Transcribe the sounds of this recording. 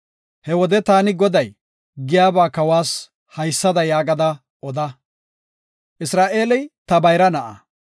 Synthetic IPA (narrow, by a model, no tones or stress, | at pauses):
hɛwɔd̪ɛt̪aːnɪɡɔd̪ɐj | ɡɪjaːbaːkɐwaːs | hɐjsːɐd̪ɐjaːɡɐd̪ɐ | ʔɔd̪ɐ | ʔɪsɾaːʔe̞ːlɛjt̪ɐbɐjɾɐnɐʔɐ̰